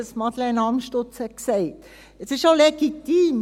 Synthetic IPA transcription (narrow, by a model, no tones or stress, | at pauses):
əsmɑd̪lɛnɑmʃtot͡shɛksɛɪt | ɛsɪʃoleɡit̪iːm